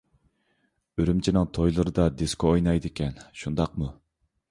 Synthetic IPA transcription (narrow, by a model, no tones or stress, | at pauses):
øɾymt͡ʃʰinɪŋt̪ʰojlˠɨɾɨd̪ɑd̪eskoojnɑjd̪ɨkʲɛnʃund̪ɑq̚mu